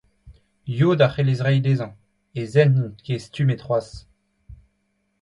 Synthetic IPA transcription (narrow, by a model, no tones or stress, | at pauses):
jod̪aχelezʁɛjd̪ezɑ̃ | ezɛnnɔ̃kʰest̪ymet̪χwas